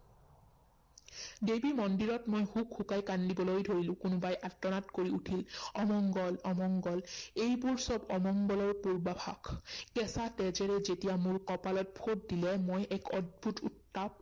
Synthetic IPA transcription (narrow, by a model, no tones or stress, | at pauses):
debimɔndiɹɔtmojhukxukajkanlibɔlojdʱoɹilʊ̃kʊnʊbajʔatːɔnatkoɹiutʰilɔmɔŋɡɔlɔmɔŋɡɔlejbuɹsɔbɔmɔŋɡɔlɔɹpuɹbabʱa̰ɡkɛsatɛzɛɹɛzetijamʊɹkɔpalɔt̚bʱʰot̚dilɛmojʔɛkʰɔd̚bʱutṵtːap̚